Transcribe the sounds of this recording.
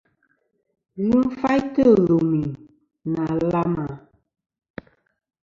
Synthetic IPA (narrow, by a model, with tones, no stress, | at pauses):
ɣu˦m˦fa˦jtə˦˨ɣo˨mi˨ | na˨la˦ma˨